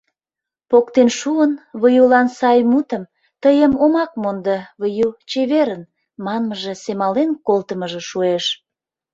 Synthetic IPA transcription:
pokt̪enʃuənβəjulɑnsɑjmut̪əm | t̪əjəmomɑk̚mond̪əβəjut͡ɕeβeɾən | mɑnməʒesemɑlenkolt̪əməʒĕʃueʃ

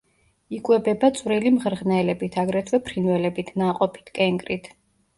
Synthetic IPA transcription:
ikʼwɛbɛbat̪sʼvɾilimʁɾʁnɛlɛbit̪ʰaɡɾɛt̪ʰwɛpʰɾinwɛlɛbit̪ʰnaqʼɔpʰi̥t̪ʰkʼɛŋkʼɾit̪ʰ

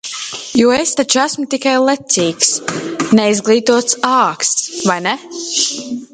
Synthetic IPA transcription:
juɔest̪at͡ʃuæsmʊt̪ikajlˠɛt̪siːksnɛizɡlˠiːt̪uɔt̪saːkst̪svajnɛ

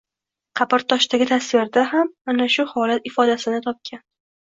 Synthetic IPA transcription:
qʰɑpɪɾt̪ʰɒʃt̪aɡʲɪt̪ʰasvɪɾd̪aɦamanaʃʊhɒlat̪ɪfɒd̪asɪnɪt̪ʰɒp̚kʲʰan

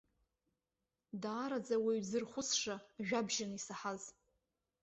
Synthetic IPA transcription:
daːɾad͡zawiɥzɨrχʷʊsʂaʒᶣabʒanisaħaz

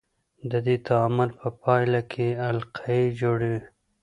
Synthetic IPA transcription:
d̪əd̪it̪amʊlpəpɑjlakʰealqʰaid͡ʒoɽi

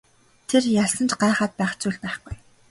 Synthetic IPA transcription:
t̪ʰerjaɮsə̆nt͡ɕɢaːχaːt̪̚pæːχt͡sujɮpæːχɡuj

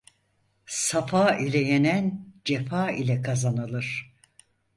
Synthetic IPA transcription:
safaːilʲɛjenænd͡ʒefaːilʲɛkʰazanɯlˠɯɾ̥

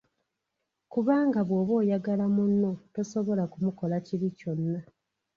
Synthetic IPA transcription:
kuβaːŋɡaβwoːβo̞ːjaɡalamunːoto̞so̞βo̞lakumuko̞laciɾico̞nːa

